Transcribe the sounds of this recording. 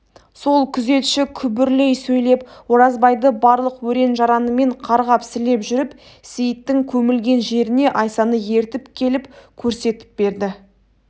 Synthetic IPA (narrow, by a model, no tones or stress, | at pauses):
so̞lˠkʲʰʏze̞t̪ʃɪkʲʰʏbɪɾle̞jsɵjle̞pwo̞ɾɑzbɑjd̪əbɑɾlˠəqwɵɾe̞nʒɑɾɑnəme̞ɴqʰɑɾʁɑpsɪle̞pʒʏɾɪp | sejɪt̪ːɪŋkʲʰɵmɪlɡʲe̞nʒe̞ɾɪne̞ʔɑjsɑnəje̞ɾt̪ɪpkʲʰe̞lɪpkʲʰɵɾse̞t̪ɪ̥p̚be̞ɾd̪ɪ